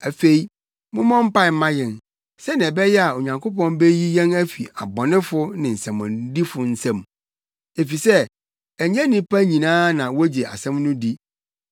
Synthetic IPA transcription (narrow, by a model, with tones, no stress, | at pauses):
æ˨fe˦i˨ | mʊ̃˦mɔ̃˦m̩˦pa˦˨m̩˦mã˦jɛ̃˨n | sɛ˦nɪ̃˨ɛ˨bɛ˦jɛ˦a˨o˨ɲã˨ŋkʰo˦pɔ̃˦nbe˦ji˦jɛ̃˦næ˦fi˨a˨bɔ̃˨nɪ̃˦fʊ˦nɪ̃˨n̩˨sɛ̃˨mɔ̃˨n˦di˦fʊ˨n̩˦sɛ̃˦˨m | e˨fi˨sɛ˦ | æ˨ɲɛ̃˦nɪ̃˦pʰa˦ɲĩ˨nãː˦nã˨wo˦d͡ʑe˨a̰˨sɛ̃˦mnʊ̃˦di˦